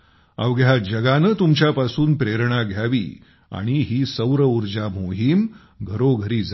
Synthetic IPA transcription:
a̰ʋɡjad͡ʑəɡanəːt̪umt͡ɕjapasuːnpɾeɾɳ̃aɡʱjaʋḭː | a̰ɽ̃iɦiːsəwɾəuɾd͡ʑamoɦiːm | ɡʱəɾoɡʱəɾiːd͡za

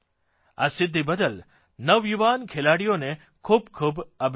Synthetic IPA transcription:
a̰sɪd̪ʱːibəd̪əl | nəʋjuʋankʰelaɽijone | kʰubkʰubəbʱ

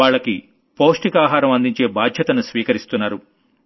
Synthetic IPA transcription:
aːɭːɐki | poːsʈikaːɦaːɾɐmɐnd̪iɲt͡ʃe̞ːbaːd̪ʱjɐt̪ɐnusʋiːkɐɾist̪unːaːɾu

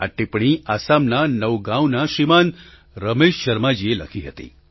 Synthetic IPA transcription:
a̰ʈipɳ̃iasamnanəʋɡãwnaʃiman | ɾəmeʃʃəɾmad͡ʒielə̰kʰiɦət̪ḭ

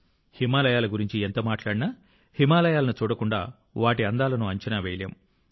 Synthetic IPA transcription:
himaːlɐjaːlɐɡuɾiɲt͡ʃient̪ɐmaːʈlaːɽinaː | himaːlɐjaːlɐnut͡ʃuːɽɐkuɳɖa̰ː | ʋaːʈiɐnd̪aːlɐnuɐɲt͡ʃɐnaʋejljɐ̰m

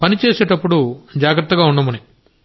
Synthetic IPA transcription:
pɐnit͡ʃeːsɛːʈɐpːuɽud͡ʒaːɡɾɐt̪ːɐɡaːuɳɖɐmɐni

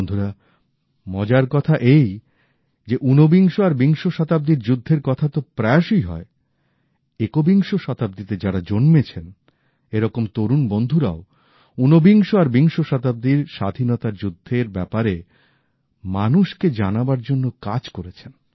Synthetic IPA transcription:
nd̪ʱuɾa | mɔd͡ʑaɾkɔt̪ʰaʔej | d͡ʑeʔunobiŋʃoaɾbiŋʃoʃɔt̪ab̚d̪iɾd͡ʑud̪ʱːeɾkɔt̪ʰat̪opɾɛaʃijɦɔ̰e | ekobiŋʃoʃɔt̪ab̚d̪it̪ed͡ʑaɾad͡ʑonmet͡ɕʰen | eɾɔkomt̪oɾunbond̪ʱuɾao | unobiŋʃoaɾbiŋʃoʃɔt̪ab̚d̪iɾʃa̰d̪ʱinɔt̪aɾd͡ʑud̪ʱːeɾbɛpaɾe | manuʃked͡ʑanabaɾd͡ʑonːokad͡ʑkoɾet͡ɕʰen

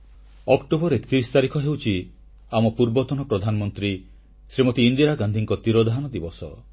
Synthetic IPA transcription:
ɔkʈobɔɾet̪iɾist̪aɾikʰɔɦewt͡ʃʰi | amɔpuɾbɔt̪ɔnɔpɾɔd̪ʱanɔmɔnt̪ɾi | sɾimɔt̪iːnd̪iɾaɡand̪ʱiŋkɔt̪iɾɔd̪ʱaɦanɔd̪ibɔsɔ

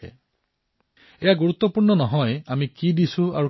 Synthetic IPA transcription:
ɛ̰ | ejaɡuɹut̪ːɔpuɹnɔnɔɦɔjamikidisũa̰ɹu

